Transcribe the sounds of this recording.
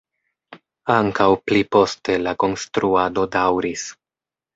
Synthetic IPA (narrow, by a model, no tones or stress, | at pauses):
aŋkawplipo̞ste̞lako̞nstɾuado̞dawɾis